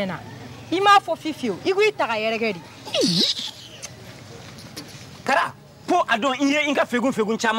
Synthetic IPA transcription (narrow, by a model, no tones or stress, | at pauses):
ɛ̃na | imaːfɔfifeoʔikuitaɡajɛɾɛkɛdi | kaɾa | foʔadõĩjeĩkafeɡũfeɡũt͡ʃaːmã